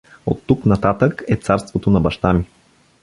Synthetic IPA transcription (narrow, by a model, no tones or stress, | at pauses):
ot̪ːuknɐt̪at̪əkɛt̪saɾst̪vot̪onɐbɐʃt̪ami